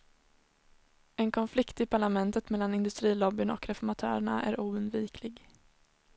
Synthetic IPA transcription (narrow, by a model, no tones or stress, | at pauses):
ɛnkʰɔnflɪkt̪ɪpʰaɭamɛnt̪ət̪mɛlːanɪnd̪ɵst̪ɾiːlɔbːɪnɔ̰kɾɛfɔɾmat̪ʰœ̰ːɾɛɳa̰ʔæ̰ɾuːɵnd̪viːkʰlɪɡ